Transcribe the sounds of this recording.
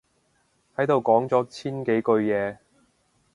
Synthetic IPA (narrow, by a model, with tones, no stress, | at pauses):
hɐ˨˥jt̪o˨wkɔː˨˥ŋt͡sɔː˨˥t͡sʰiː˥nke˨˥jkɵ˧ɥjɛː˨˧